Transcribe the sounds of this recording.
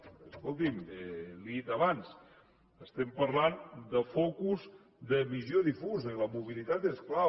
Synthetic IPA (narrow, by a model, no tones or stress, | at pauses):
əskolˠt̪̬imeliit̪əβans | əst̪ɛmpəɾland̪əfɔkuz | d̪əβizjoðifuzələmuβ̞ilit̪at̪eskla